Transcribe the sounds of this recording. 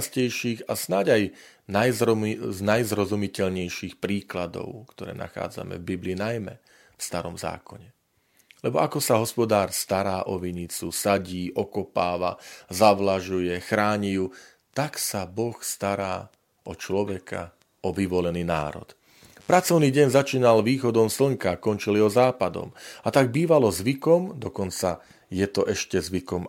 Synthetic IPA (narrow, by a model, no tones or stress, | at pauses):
scɛjʃiːɣasnaɟaj | najznajzɾɔzumicɛʎɲɛjʃiːxpɾiːklad̪ɔ̰ʊkt̪ɔɾɛ̰ːna̰xa̰ːd͡za̰mɛ̰vbibliːnajmɛ | fst̪aɾɔmza̰ːkɔɲɛ | lɛbɔakɔsaɦɔspɔd̪aːɾst̪aɾaːʔɔʋiɲit͡susaɟiːʔɔkɔpaːʋazaʋlaʒujɛxɾaːɲiju | t̪aksabɔxst̪aɾaː | ʔɔt͡ʃlɔʋɛkʰa̰ | ʔɔʋiʋɔlɛniːna̰ːɾɔ̰t̪ | pɾat͡sɔʊniːɟɛɲzat͡ʃiːnalʋiːxɔd̪ɔmsl̩ŋkakɔnt͡ʃiliɦɔzaːpad̪ɔ̰mat̪aɡ̚biːʋalɔzʋikɔmd̪ɔkɔnt͡sa | jɛt̪ɔʔɛʃcɛzʋikɔm